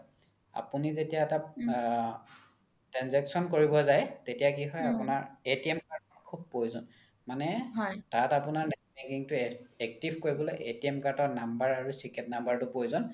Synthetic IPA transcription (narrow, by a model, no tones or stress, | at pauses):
a̰punizetijaɛta | tɹanzɛksɔnkoɹibɔzajtetijakiɦɔjapunaɹetiɛmkaɹtɔtkʰub̚pojzɔn | manɛɦɔjtatapunaɹnɛmekiŋtʊɛk̚tibʱkoɹibɔlojʔetiɛmkaɹtɔnambaɹaɹusikɛtnambaɹtʊpojzɔn